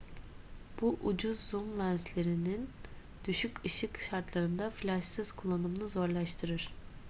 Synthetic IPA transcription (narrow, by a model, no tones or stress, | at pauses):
b̥uʔud͡ʒuzːumlʲænslʲe̞ɾinin | d̪̥yʃykʰɯʃɯkʃaɾt̪lˠaɾɯnd̪aflʲaʃsɯz̥kʰulˠːanɯmnɯzo̞ɾlˠaʃt̪ʰɯɾɯɾ̥